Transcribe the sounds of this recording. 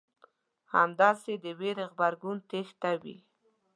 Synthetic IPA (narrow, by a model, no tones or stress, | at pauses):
ha̰md̪ɑsed̪əweɾeɣbaɾɡunt̪ext̪awḭ